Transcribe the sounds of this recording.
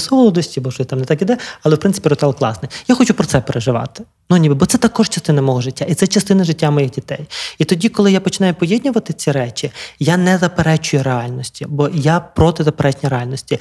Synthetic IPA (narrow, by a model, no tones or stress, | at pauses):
sɔlˠɔd̪ɔsʲtʲibɔʃɔɪt̪ɑmnet̪ɑkid̪ɛɐlˠɛwpɾɪnsɪ̥pʲiɾɔt̪ɛlˠklˠɑ̰snɪjjaxɔt͡ʃupɾɔt̪sɛpeɾeʒɪʋɑ̰t̪ɪ̥ | nʊnʲibɪbɔt̪sɛt̪ɐkɔʃt͡ʃɐst̪ɪnɐmɔɦɔʒɪtʲːait̪sɛt͡ʃɐst̪ɪnɐʒɪtʲːamɔjixdʲit̪ɛjit̪ɔdʲikɔlˠɪjapɔt͡ʃɪnɑjʊpɔjed̪̚ʲnʲʊʋɐt̪ɪt͡sʲiɾɛt͡ʃʲijanɛzɐpeɾɛt͡ʃʊjʊɾeɑlʲnɔsʲtʲibɔjapɾɔt̪ɪzɐpeɾɛt͡ʃnʲijɾeɑlʲnɔsʲtʲi